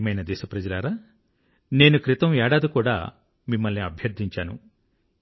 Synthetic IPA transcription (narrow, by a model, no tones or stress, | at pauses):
mɐjnɐd̪ɛːʃɐpɾɐd͡ʒɐlaːɾaː | ne̞ːnukɾit̪ɐmɛːɽaːd̪ukuːɽa̰ː | mimːɐlniɐbʱjɐɾd̪ʱiɲt͡ʃaːnṵ